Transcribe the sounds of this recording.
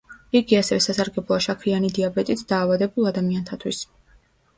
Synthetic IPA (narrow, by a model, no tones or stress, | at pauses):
iɡiasɛvɛsasaɾɡɛblˠɔaʃakʰɾianid̪iabɛt̪ʼit̪ʰd̪̥aːvad̪ɛbulˠad̪amiant̪ʰat̪ʰwis